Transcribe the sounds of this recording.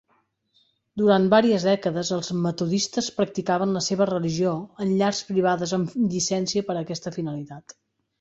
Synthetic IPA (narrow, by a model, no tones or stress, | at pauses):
d̪uɾanbaɾiəzðɛkəðəzəlˠzmət̪uðist̪əspɾək̚t̪ikaβənləseβərəliʒioənʎaɾspɾiβ̞aðəzəmʎisɛnsiəpəɾəkɛst̪əfinəlit̪at̪